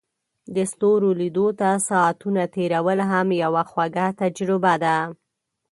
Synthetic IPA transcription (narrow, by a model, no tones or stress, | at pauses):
d̪əst̪oɾolid̪ot̪asɑːt̪unat̪eɾawəlɦamjawaxwaɡat̪ad͡ʒɾɪbad̪a